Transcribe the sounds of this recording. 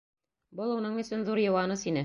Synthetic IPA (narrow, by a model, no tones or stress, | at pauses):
bɤlˠunɤɴɵ̆sɵnðuɾjɤ̆wɑnɤsinɘ